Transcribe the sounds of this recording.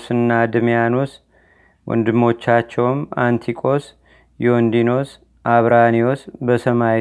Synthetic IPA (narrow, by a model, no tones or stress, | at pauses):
sɨnːad̪ɨmijanos | wʔɔ̰nd̪ɨmːo̞t͡ʃːat͡ʃːɛwmant̪ʰikʼo̞s | jond̪ino̞s | ʔaβɾaniosbəsəma